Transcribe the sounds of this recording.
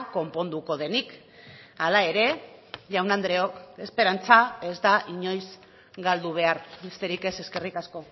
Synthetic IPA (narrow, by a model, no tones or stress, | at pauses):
ko̞mpo̞nd̪uko̞ðe̞nik | alae̞ɾe̞ʝawnand̪ɾe̞o̞ke̞spe̞ɾant͡sae̞zd̪aʔiɲo̞jz | ɡald̪uβ̞e̞aɾβe̞st̪e̞ɾike̞se̞ske̞rikasko̞